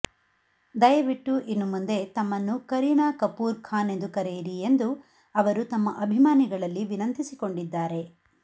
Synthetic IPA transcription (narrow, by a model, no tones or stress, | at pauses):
d̪ɐjɐʋiʈːuʔinːumund̪e̞t̪ɐmːɐnːukɐɾiɳaːkɐpuːɾkʰaːne̞nd̪ukɐɾejiɾije̞nd̪u | ɐʋɐɾut̪ɐmːɐʔɐbʱimaːniɡɐɭɐlːiʋinɐnt̪isiko̞ɳɖid̪ːaːɾe̞